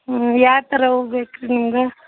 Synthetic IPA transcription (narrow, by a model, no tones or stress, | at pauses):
jaːɾt̪ɐɾɐɦoːbeːkɾenimɡe